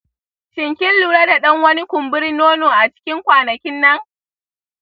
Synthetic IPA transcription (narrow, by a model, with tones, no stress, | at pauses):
ʃɪ˨ŋkʲɪ˦nlu˨ɽɐ˦da˨ɗɐ˦ŋwɐ˦ni˦kʷʊ˨mbɪ˦ɽi˦noː˦noː˨ʔa˨t͡ʃɪ̥˦kʲɪ˦ŋkʷaː˨nɐ˨kʲɪ˦nːɐ˦ŋ